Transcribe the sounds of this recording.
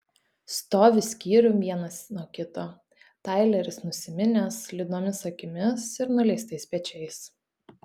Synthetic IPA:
st̪oːʋʲɪsʲkʲiːɾʲʊʋʲiɛnɐsnuɔkʲɪt̪oː | t̪ɑˑɪlʲɛɾʲɪsnʊsʲɪmʲɪnʲɛslʲɪd̪d̪oːmʲɪsɐkʲɪmʲɪsɪɾnʊlʲɛɪst̪ɐɪsʲpʲɛt͡ʃʲɛɪs

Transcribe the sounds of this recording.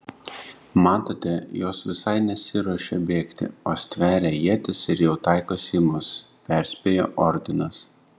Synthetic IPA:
mɑːt̪oːt̪ʲɛjoːsʋʲɪsɐɪnʲɛsʲɪɾuɔʃʲɛbʲeːkt̪ʲɪ̰oːsʲt̪ʲʋʲæːɾʲɛjiɛt̪ʲɪsɪɾjɛʊt̪ɑɪkoːsʲɪmʊs | pʲɛˑɾʲsʲpʲeːjo̰ːʔɔɾʲd̪ʲɪnɐs

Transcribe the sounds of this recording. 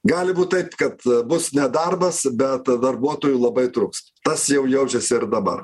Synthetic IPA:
ɡɑːlʲɪbuːt̪̚t̪ɐɪpkɐt̪bʊsnʲɛd̪ɐrbɐsbʲɛt̪d̪ɐrbuɔt̪oːjuːlˠɐbɐɪt̪ɾʊks | t̪ɐsjɛʊjɛʊt͡ʃʲɛsʲɪɪɾd̪ɐbɐ̰r

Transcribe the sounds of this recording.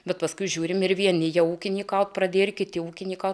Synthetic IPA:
bʲɛt̪pɐskʊɪʒʲuːɾʲɪmɪɾʋʲiɛnʲɪjɛuːkʲɪnʲiːkɐʊt̪pɾɐd̪ʲeːjɾʲkʲɪt̪ʲɪuːkʲɪnʲiːkɐʊ

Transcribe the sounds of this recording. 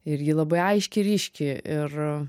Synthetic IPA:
ɪɾjiːlˠɐbɐɪɐɪʃʲkʲɪɾʲiːʃʲkʲɪɪr

